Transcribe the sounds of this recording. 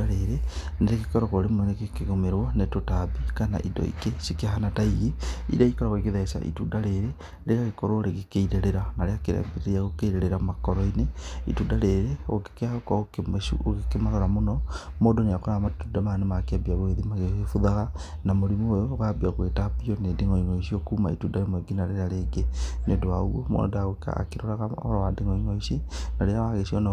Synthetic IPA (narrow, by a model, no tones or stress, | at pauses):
aɾeɾeneɾekikoɾokoɾemwenekekiɣomeɾwonetotabikana̰ʔḭdo̰ḭkeʃikeahanataiɣiḭdaikoɾoɣoikiðaesa̰ʔḭtudaɾeɾe | leɾakikoɾoɾekekeiɾeɾeɾanaɾeakeɾa̰biɾeɾiakokeiɾeɾeɾamakoɾoineḭtudaɾeɾeo̰ke̥kakaṵokikemaɾaɾamonomoːdoneakoɾaɣamatudamanemakeabiaβoeðimaɣeɣefuðaɣanamoɾimoːjoɣabiaɣwetabiɔnedeŋɔiŋɔiʃiokumaḭtudaɾemoeɡinaɾeɾaɾeːɡenedoaomo̰daɣ̰a̰keɾoɾaɣa̰ɾawadeŋɔiŋoiʃinaɾeawaɣeʃiɔna